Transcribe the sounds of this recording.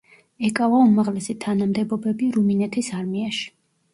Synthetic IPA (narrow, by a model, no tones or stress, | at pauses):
ɛkʼavaumaʁlɛsit̪ʰanamd̪ɛbɔbɛbiɾuminɛt̪ʰisaɾmiaʃi̥